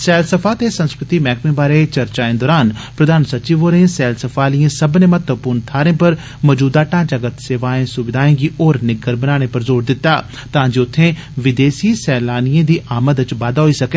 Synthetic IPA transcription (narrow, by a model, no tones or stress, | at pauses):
sɛːlsəpʰaːt̪eːsə̃nskɾɪt̪iːmɛːkmẽːbaːɾeːt͡ʃəɾt͡ʃaːẽːd̪ɔːɾaːnpɾəd̪ʱaːnsət͡ʃiːʋoːɾẽsɛːlsəpʰaːliẽːsəbneːmət̪əpʊːɾnt̪ʰaːɾẽːpəɾ | mɔːd͡ʒuːd̪aːʈãːd͡ʒəɡət̪seːʋaːẽːsʊʋɪd̪ʱaːẽːɡiːʔoːɾnɪɡəɾbənaːɽ̃eːpəɾzoːɾd̪ɪt̪ːaː | t̪ãːd͡ʒeːʊt̪ʰːẽː | ʋɪd̪eːsiːsɛːlaːnijẽːd̪iːʔaːməd̪ɪt͡ʃʋaːd̪aːɦoiːsəkeː